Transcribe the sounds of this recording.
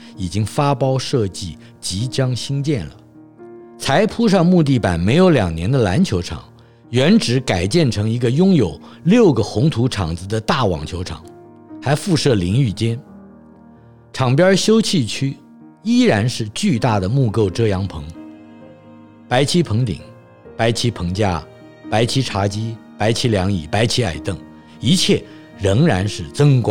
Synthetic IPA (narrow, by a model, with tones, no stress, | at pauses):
i˨˩t͡ɕi˥ŋfa˥pɑ˥ʊʂɤ˥˧t͡ɕi˥˩ | t͡ɕi˧˥t͡ɕjɑ˥ŋɕi˥ŋt͡ɕjɛ˥˩nlə̰˩ | t͡sʰa˧˥ɪpʰu˥ʂ̬ɑ˥˧ŋmu˥˧t̪̬i˥˩pa̰˨˩nme˧˥ɪjo˧˥ʊljɑ̰˨˩ŋnjɛ˧˥nd̪ə˧la˧˥nt͡ɕʰjo˧˥ʊʈ͡ʂʰɑ̰˨˩˦ŋ | ɥɛ˧˥nʈ͡ʂɻ̩˧˥ka˨˩ɪt͡ɕjɛ˥˩nʈ͡ʂʰɤ˧˥ŋi˧˥ɡə˧jʊ˥ŋjo˨˩ʊljo˥˩ʊɡə˩xʊ˧˥ŋt̪ʰu˧˥ʈ͡ʂʰɑ̰˨˩ŋd͡zɹ̩˧d̪ə˧t̪a˥˩wɑ̰˨˩ŋt͡ɕʰjo˧˥ʊʈ͡ʂʰɑ̰˨˩˦ŋ | xa˧˥ɪfu˥˧ʂɤ˥˩li˧˥ŋy˥˩t͡ɕjɛ˥n | ʈ͡ʂʰɑ˨˩ŋpjɑ˥ɕjo˥ʊt͡ɕʰi˥˩t͡ɕʰy˥ | i˥ɻa˧˥nʂɻ̩˥˧t͡ɕy˥˧t̪a˥˩d̪ə˩mu˥˧ko˥˧ʊʈ͡ʂɤ˥˩jɑ˧˥ŋpʰɤ˧˥ŋ | pa˧˥ɪt͡ɕʰi˥pʰɤ˧˥ŋt̪ḭ˨˩ŋ | pa˧˥ɪt͡ɕʰi˧˥pʰɤ˧˥ŋt͡ɕja˥ | pa˧˥ɪt͡ɕʰi˥ʈ͡ʂʰa˧˥t͡ɕi˥pa˧˥ɪt͡ɕʰi˥ljɑ˧˥ŋḭ˨˩pa˧˥ɪt͡ɕʰi˧˥a̰˨˩ɪt̪ɤ˥˩ŋ | i˧˥t͡ɕʰjɛ˥˩ | ɻə˧˥ŋɻa˧˥nʂɻ̩˥˩t͡sɤ˥ŋkwɑ˥˦